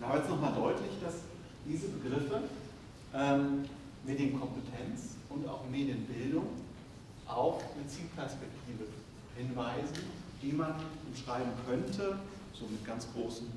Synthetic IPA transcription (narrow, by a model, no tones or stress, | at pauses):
ʔaːbɐɛstnɔχmaːldɔʏtlɪçd̥as | d̥iːzəbəɡʁɪfə | ʔɛːm | meːdiːm̩kʰɔmpətʰɛnt͡sʔʊnta̰ʊxmeːdjənbɪldʊŋ | ʔaʊxnət͡siːlpʰɛɐspɛk̚tʰiːvə | hɪnvaɪzn̩d̥iːmanʊmʃʁ̥aɪbm̩kʰœntʰə | z̥oːmɪt̚ɡ̥ant͡sɡ̥ʁoːsn̩